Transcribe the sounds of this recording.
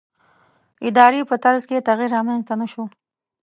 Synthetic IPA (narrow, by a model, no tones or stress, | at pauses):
ɪd̪ɑɾepət̪aɾzket̪aɣiɾɑmanzt̪anaʃo